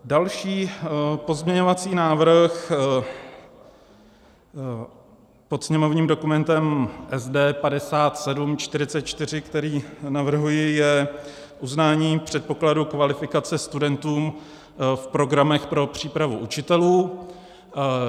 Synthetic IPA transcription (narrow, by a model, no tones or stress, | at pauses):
dalʃiːpo̞zmɲɛɲo̞vat͡siːnaːvɾx | po̞t̪sɲɛmo̞vɲiːmdo̞kumɛnt̪ɛmʔɛzdɛːpadɛsaːt̪sɛdumt͡ʃt̪ɪɾɪt͡sɛt̪̚t͡ʃt̪ɪr̝ɪkt̪ɛɾiːnavr̩ɦujɪjɛ | ʔuznaːɲiːpr̝̥ɛt̪̚po̞kladukvalɪfɪkat͡sɛst̪udɛnt̪uːm | fpɾo̞ɡɾamɛxpɾo̞pr̝̥iːpɾavuʔut͡ʃɪt̪ɛluː